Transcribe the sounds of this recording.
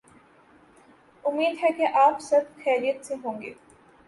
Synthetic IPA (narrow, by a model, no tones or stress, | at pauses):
ʊmːiːd̪ɦɛkeʔaːpsɐbxɛːɾijət̪seɦõːŋɡḛː